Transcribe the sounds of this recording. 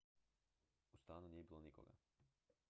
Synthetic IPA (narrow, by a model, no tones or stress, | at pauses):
ust̪aːnunijebilˠoniko̰ɡa̰